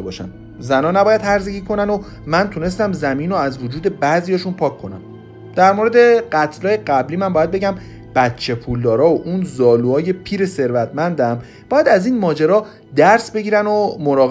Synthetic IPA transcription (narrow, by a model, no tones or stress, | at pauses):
ebɒːʃæ̰n | zænɒːnæbɒːjæd̪hæɾzeɡiːkʰo̞næno | mænt̪ʰune̞s̬t̪æmzæmiːnoæzvod͡ʒuːd̪e̞bæzijɒːʃunpʰɒːkʰːo̞næ̰m | d̪̥æɾmoɾed̪e̞ɢæt̪ʰlɒːje̞ɢæbliːmænbɒːjæd̪̚be̞ɟæm | b̥æt̪t͡ʃʰːe̞pʰuld̪ɒːɾɒːoʔunzɒːluɒːje̞pʰiːɾe̞se̞ɾvæt̪ʰmænd̪æm | b̥ɒːjæd̪æziːnmɒːd͡ʒeɾɒː | d̪æɾsbe̞ɟʲiːɾænomoɾɒːɣ